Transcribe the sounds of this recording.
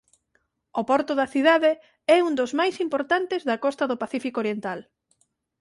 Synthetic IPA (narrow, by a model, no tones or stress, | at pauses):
opɔɾt̪ʊðɐθiðaðe | ɛund̪ozmajsimpoɾt̪ant̪ezðɐkɔst̪ɐðʊpaθifikoɾjent̪al